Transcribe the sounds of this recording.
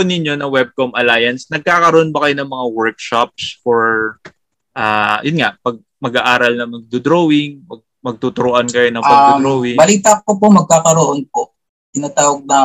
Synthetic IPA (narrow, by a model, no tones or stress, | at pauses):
ʊnɪɲjo̞nɐwɛb̚komʔɐlaːjɐnsnɐɡ̚kaːkɐɾoʔonbɐkɐjonɐŋmɐŋawɛɹk̚ʃap̚sfɔɹ | ʔaːjʊnŋaʔpɐɡ̚ | mɐɡaʔaːɾɐlnɐmɐɡ̚d̪ʊd̪ɾowɪŋmɐɡ̚ | mɐɡ̚t̪ut̪ʊɾʊʔankɐjonɐŋpɐɡɡ̪d̪ɾoːwɪŋbɐliːt̪ɐk̚opomɐɡ̚kaːkɐɾoʔonpo | t̪ɪnaːt̪aːwɐɡ̚nɐ